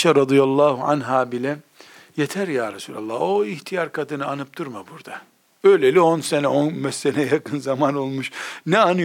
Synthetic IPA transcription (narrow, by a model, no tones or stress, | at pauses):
ʃaɾɑd̪ijalˠːɑːhua̰nɦaːbilʲɛ | jet̪ʰæɾjaːɾasuːlʲa̰lˠːɑoiçt̪ʰijaɾkʰad̪ɯnɯanɯp̚t̪ʰuɾmabuɾd̪a | øjlʲelʲionsenɛonmɛsːɛnɛjakʰɯnzamano̞lˠmuʃnɛanɯ